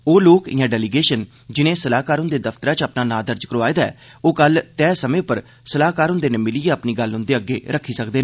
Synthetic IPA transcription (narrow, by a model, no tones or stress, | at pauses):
oːloːkɪ̰jãːɖɛːliːɡeːʃən | d͡ʒɪnẽːsəlaːkaːɾʊ̃nd̪eːd̪əfʰt̪əɾaːt͡ʃəpnaːnaːd̪əɾd͡ʒkəɾoaːeːd̪aɛ̰ːoːkəlt̪ɛːsəmẽːpəɾ | səlaːkaːɾʊnd̪eːneːmɪliːeːəpniːɡəlʊ̃nd̪eːəɡːḛːɾəkʰːiːsəkd̪eːnː